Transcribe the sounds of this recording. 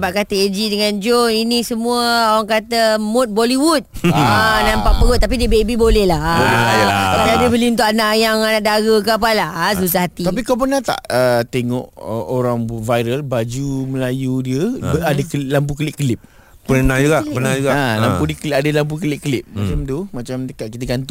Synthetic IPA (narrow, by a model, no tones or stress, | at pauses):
paʔkat̪əed͡ʒidəŋand͡ʒoinĩsəmũəawaŋkat̪əmut̪̚boliwut̪̚anampaʔpəɣʊt̪̚ːap̬idiəbebibolɛhla | ət̪adibəliunt̪oʔanaʔjaŋanaʔdaɡəkəap̬alas̬us̬ahɦat̪iapikawp̬ənat̪a̰ʔət̪eŋɔ̰ʔəoɾaŋvajɾəlbad͡ʒuməlajudiəadəklamp̬ukəlɪʔkəlɪp̚ | pənauɡaənauɡaalapudiəklʔadəlamp̬ukəlɪʔ̚kəlɪp̚mat͡ʃamt̪umat͡ʃamt̪əkaʔkit̪əɡant̪ɔ